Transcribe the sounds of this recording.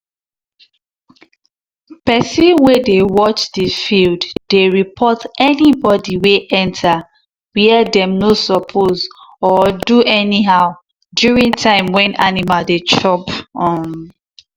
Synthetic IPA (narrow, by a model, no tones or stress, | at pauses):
pɛsiwɛdewɔt͡ʃdəfildd̥eɹipʰɔtɛnibɔdiweʔɛ̃ntʰa | wiɛdɛ̃mnosɔpʰozɔduɛniɦaʊ | djuɹĩŋtʰãɪ̃mwɛ̃nʔanimaldet͡ʃɔpɔ̃n